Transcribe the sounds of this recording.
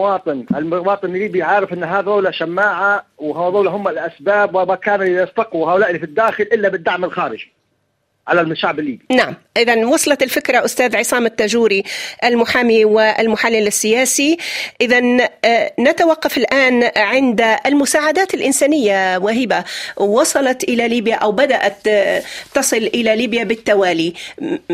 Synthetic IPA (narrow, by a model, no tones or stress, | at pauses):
wɑːt̪ˤɨnɪlwɑːt̪ˤɨnlːiːbijʕaːɾɪfʔɪnːɦaːðˤawlaʃamːaːʕawhaðˤaːlaɦʊmːalʔasbaːbwamakaːnɪlɑst̪ɑquhaːʔʊlaːʔlːifid̪ːaːxɪlʔɪlːabɪd̪ːaʕmɪlxaːɾɪʒ | ʕalalmʊʃaʕbɪlːiːbinaʕamʔɪðanwɑsˤlɑɪlfɪkɾaʔʊst̪aːðʕɪsˤɑːmɪt̪ːaʒuːɾiʔalmʊħaːmiwɪʔalmʊħalːɪlɪsːɪjaːsiʔɪðanː | at̪awaqːɑfɪlʔaːnʕɪnd̪almʊsaːʕad̪aːt̪ɪlʔɪnsaːnɪjːawaɦiːbaːɑsˤɑlɑt̪ʔɪlaliːbjaʔawbad̪aʔat̪ː | ɑsˤɨlʔɪlaliːbjabɪt̪ːawaːli